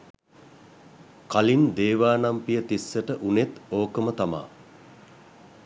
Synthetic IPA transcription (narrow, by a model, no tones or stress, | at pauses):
kalind̪eːʋaːnampijət̪isːəʈəʔunet̪oːkəmət̪ama̰ː